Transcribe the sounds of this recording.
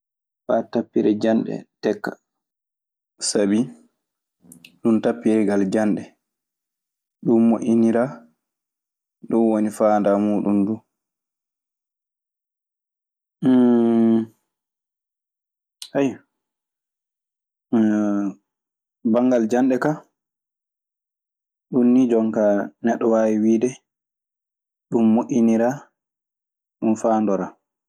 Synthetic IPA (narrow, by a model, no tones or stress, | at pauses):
fatapːiɾɛd͡ʒanɗɛ̰tɛkːḁ̰ | sabi | ɗuntapːiɾɛɡald͡ʒanɗɛ | ɗummoʔiniɾa | ɗɔnwonifaːndamuːɗumduː | haj | baŋɡald͡ʒanɗɛka | ɗunːid͡ʒɔŋkanɛɗːɔwaːwiwiːdɛ | ɗumːoʔʲːiniɾa | ɗumfaːndɔɾa